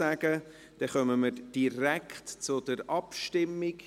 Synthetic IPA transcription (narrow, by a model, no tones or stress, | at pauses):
æɡ̥ə | d̥ɛχœməməɾd̥iɾækχtt͡sʊdəɾɑpʃtɪmːiɡ̥